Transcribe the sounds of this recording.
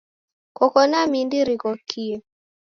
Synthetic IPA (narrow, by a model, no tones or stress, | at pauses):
kɔkɔnamindiɾikɔkʰi